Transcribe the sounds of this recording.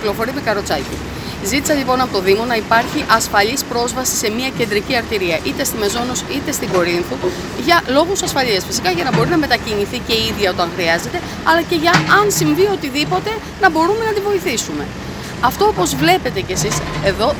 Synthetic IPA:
lo̞fo̞ɾimekɐɾo̞t͡sɐcḭ | zit̪isɐʎipo̞nɐpo̞t̪o̞ðimo̞nɐipɐɾçiʔɐsfɐʎispɾo̞zvɐsi̥se̞mɲiɐce̞nd̪ɾiciɐɾt̪iɾiɐʔit̪e̞st̪ime̞zo̞nosit̪e̞st̪iɡo̞ɾinθot̪u | ʝɐlo̞ɣusɐsfɐʎiɐsfisikɐʝɐnɐbo̞ɾinɐme̞t̪ɐciniθice̞iðʝɐo̞t̪ɐŋxɾiɐze̞t̪e̞ | ɐlɐce̞ʝɐɐnsiɱvio̞t̪iðipo̞t̪e̞ | nɐbo̞ɾume̞nɐt̪ivo̞iθisume̞̰ | ɐft̪o̞opo̞zvle̞pe̞t̪e̞ce̞sise̞ðo̞

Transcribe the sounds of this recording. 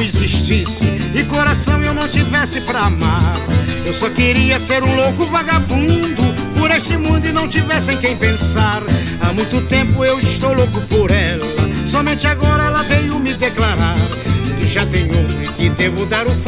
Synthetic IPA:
iziʃt͡ʃisɪɪkoɾasɐ̃w̃ewnɐ̃w̃t͡ʃivɛsɪpɾɐamaɾewsɔkɪɾiɐseɾũlokʊvaɡabũd̪ʊpoɾeʃt͡ʃɪmũd̪ʊɪnɐ̃w̃t͡ʃivɛsẽj̃kẽj̃pẽsaɾ | amũj̃t̪ʊt̪ẽmpʊewɪʃt̪owlokʊpoɾɛlɐ̰sɔmẽnt͡ʃɪaɡɔɾɐɛlɐvejʊmɪd̪eklaɾaɾɪʒat̪ẽj̃otɪ̃kɪd̪evʊd̪aɾʊf

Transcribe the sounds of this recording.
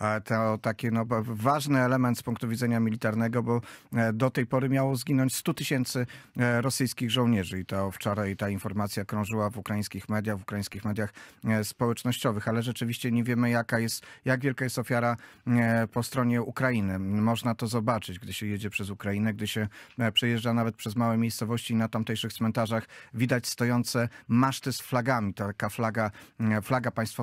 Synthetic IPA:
at̪ʰɛt̪akʲinɔvaʐnɘɛlɛmɛnt̪spuŋkt̪uvʲidzɛɲamʲilʲit̪aɾnɛɡɔbɔd̪ɔt̪ɛjpɔɾɘmʲjawɔzɡʲinɔ̃ɲt͡ɕʲst̪ut̪ɘɕɛnt̪sɘɾɔsɘjskʲiɣʐɔw̃ɲɛʐɘit̪ɔft͡ʂaɾat̪ainfɔɾmat̪sʲjakɾɔ̃ʐɘwavukɾajĩskʲixmɛd̪jaɣvukɾaĩskʲixmɛd̪jaxspɔwɛt͡ʂnɔɕt͡ɕɔvɘxalɛʐɛt͡ʂɘvʲiɕt͡ɕɛɲɛvʲjɛmɘjakajɛst̪jaɡvʲjɛlkajɛst̪ɔfʲjaɾa | pɔst̪ɾɔɲɛukɾajinɘmɔʐnat̪ɔzɔbat͡ʂɘd͡ʑɡd̪ɘɕɛjed͡ʑɛpʂɛzukɾainɛɡ̚d̪ɘɕɛpʂɛjɛʐd͡ʐanavɛt̪̚pʂɛzmawɛmʲjejst̪sɔvɔɕt͡ɕiːnat̪amt̪ɛjʂɘxt̪smɛnt̪aʐaxvʲid̪at͡ɕst̪ɔjɔnt̪sɛmaʂt̪ɘsflaɡamʲit̪akaflaɡaflaɡapaj̃st̪fɔ

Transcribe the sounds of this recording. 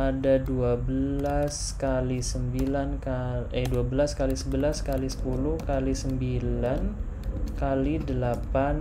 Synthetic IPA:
adaduabəlas | kalisəmbilankaɛduabəlaskalisəbəlaskalisə̥puluhkalisəmbilan | kalidəlapan

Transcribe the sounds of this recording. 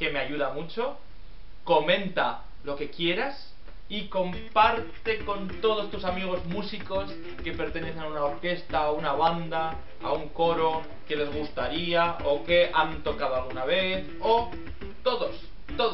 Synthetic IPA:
ke̞me̞aʝuð̞amut͡ʃo̞ | ko̞mẽ̞nt̪a | lo̞ke̞kje̞ɾas | iko̞m | paɾt̪e̞ko̞nt̪o̞ð̞o̞st̪usamiɣ̞o̞zmusiko̞s | ke̞pe̞ɾt̪e̞ne̞θenaunaoɾke̞st̪aunaβ̞and̪a | a̰uŋko̞ɾo̞ | ke̞le̞zɣust̪aɾiaoke̞ʔant̪o̞kað̞oalɣ̞unaβ̞e̞θ | o | t̪o̞ðos | t̪oð

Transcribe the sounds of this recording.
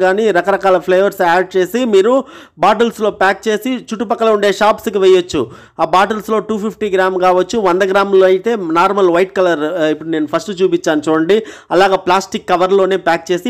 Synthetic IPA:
ɡaːniɾɐkɐɾɐkaːlɐpʰlɐjʋɐɾsaːɖ̚t͡ʃe̞ːsimiːɾu | baːʈ̬ɐlslo̞ːpaːk̚t͡ʃe̞ːsit͡ʃuʈːupɐkːɐlɐuɳɖe̞ːʃaːpskiʋɛjot͡ʃːu | aːbaːʈɐlslo̞ːʈuːpʰipʰʈiːɡɾaːmkaːʋɐt͡ʃːuʋɐnd̪ɐɡɾaːmloːɐjit̪e̞ːnaːɾmɐlʋɐjʈkɐlɐɾipːuɽune̞ːnupʰɐsʈut͡ʃuːpit͡ʃːaːnut͡ʃuːɽɐɳɖiɐlaːɡaːplaːsʈikːɐʋɐɾlo̞ːneːpaːk̚t͡ʃe̞ːsi

